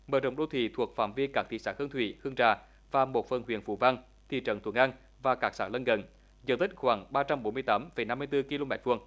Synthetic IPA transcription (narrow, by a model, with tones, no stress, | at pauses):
məː˨˩zə̰˧˨wŋ͡mɗo˨˧˦t̪ʰḭ˧˨t̪ʰu˨˩ək̚fa̰ː˧˩mvi˧kaː˦˥k̪̚ḭ˧˨saː˧˥hɨ˧ŋt̪ʰwḭ˧˩˨hɨ˧əŋt͡ɕaː˧˩ | vaː˨˩mo˨˩t̚fə˨˩nhwḭ˧˩˨ənfṵ˧˩va˧ŋ | t̪ʰḭ˧˨t͡ɕə̰˧˩nt̪ʰwə˧˩ŋʔa˧ŋ | vaː˨˩kaː˦˥k̚saː˧˥lə˧nɣə˨˩n | zə̰˧˩nt̪ʰï˦˥k̟̚xwaː˨˩ŋɓaː˧t͡ɕa˧mɓo˨˦nmɨ˧əjt̪aː˨˦mfə˨˩jna˧mːɨ˧əjt̪ɨ˧ki˧lo˧mɛː˨˥t̚vu˧˨˩əŋ